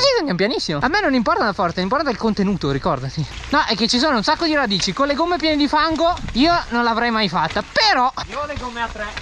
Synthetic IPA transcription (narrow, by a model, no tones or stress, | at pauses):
zisend̪ampjanisːimoamːenːonimpɔrt̪adafɔrt̪animpɔɾt̪aelkont̪enuːt̪oɾikɔrd̪at̪i | nɔʔɛkːet͡ʃːis̬oːnounsakːod̪iɾad̪iːt͡ʃikonleɡomːepjɛːned̪ifaŋɡoiːononlavɾɛjmajfat̪ːapeɾɔoleɡomːeat̪ːɾɛ